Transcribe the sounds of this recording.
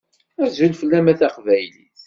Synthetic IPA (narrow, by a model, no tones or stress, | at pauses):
æɾzulfəlːæmæθæqvæjliθ